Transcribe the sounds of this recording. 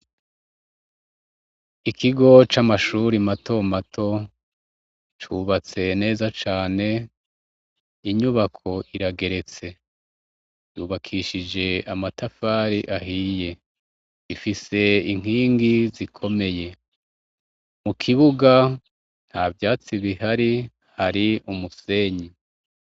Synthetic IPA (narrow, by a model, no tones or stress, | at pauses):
ikʰiɡo̞t͡ʃamaʃuːɾimatʰo̞matʰo̞ | t͡ʃuβat͡se̞ne̞ːzat͡ʃaːne̞ | iɲuβakʰo̞ʔiɾaɡe̞ɾe̞t͡se̞ | juːβakʰiʃid͡ʒe̞amatʰafaːɾiʔaɦiːje̞ | ifise̞iŋ̥ɦiːŋɡizikʰo̞me̞je̞ | mukʰiβuɡa | n̥havjaːt͡siβihaɾi | haɾiumuse̞ːɲi